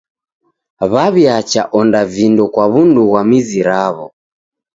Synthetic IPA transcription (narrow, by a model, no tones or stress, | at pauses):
βaβjat͡ʃaʔɔndavindɔkwaβunduɣwamiziɾaβɔ